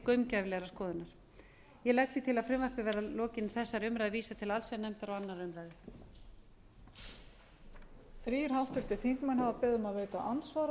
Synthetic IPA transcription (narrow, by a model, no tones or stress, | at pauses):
kœɥmcajvlɛɣɾaskɔːðɪnaɾ̥ | jɛlɛɣt̪θit̪ʰɪlaðfɾɪmvar̥pɪvɛːɾðalɔːcɪnθɛsːaɾʏmɾajðɪviːsat̪ʰɪlalsɛnɛmt̪aɾawanːaɾʏmɾaːjðɪ | θɾiːɾ̥hawht̪ʏl̥t̪ɪθiŋkmanhavapɛːðʏmaðveːjt̪aʔant̪svaɾ